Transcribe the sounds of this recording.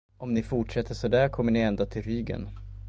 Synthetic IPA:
ɔmnɪfʊʈʂɛt̪ʰːəʂɔd̪æːɾkʰɔmːəɳɪɛnd̪at̪ʰɪlɾyːɡə̰n

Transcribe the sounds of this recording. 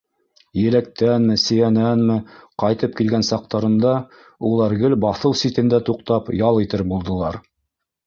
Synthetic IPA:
jɘ̆læk̚t̪ænmɘ̆sɘ̆jænænmɘqɑjt̪ɤp̚kilɡænsɑq̚t̪ɑɾɤ̆nd̪ɑ | ulˠɑɾɡɘlbɑθɤwsit̪ɘ̆nd̪æt̪uqt̪ɑpjɑlˠit̪ɘɾbulˠd̪ɤ̆lˠɑɾ

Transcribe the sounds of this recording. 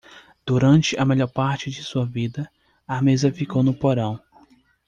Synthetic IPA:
d̪̥uɾɐ̃nt͡ʃɪʔɐmeʎɔɾpaɾt͡ʃɪd͡ʒɪsuɐvid̪ɐ | ɐmezɐfikownʊpoɾɐ̃w̃

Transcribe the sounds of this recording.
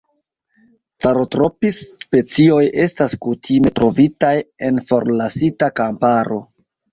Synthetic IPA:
t͡saɾotɾo̞pispe̞t͡sio̞jʔe̞staskutʰime̞tɾo̞vitaje̞nfo̞ɾlasitakampaɾo̞̰

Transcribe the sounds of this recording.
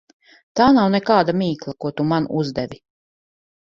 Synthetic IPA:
t̪aːnawnɛkaːd̪amiːklˠakuɔt̪umanuzd̪ɛʋʲi

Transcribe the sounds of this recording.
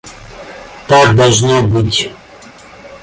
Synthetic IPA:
t̪akd̪ɐlˠʐnobɨtʲ

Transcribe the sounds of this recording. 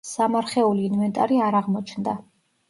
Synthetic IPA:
samaɾχɛuliːnvɛnt̪ʼa̰ɾiaɾaʁmɔt͡ʃʰnd̪a

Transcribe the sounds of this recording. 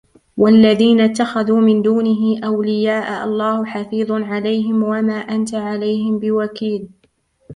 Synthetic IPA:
walːaðiːnat̪ːaxaðuːmɪnd̪uːnɪɦɪʔawlɪjaːʔaʔɑ̰lˤːɑːhʊħafiːðˤnʕalajhɪmwamaːʔant̪aʕalajhɪmbɪwakiːl

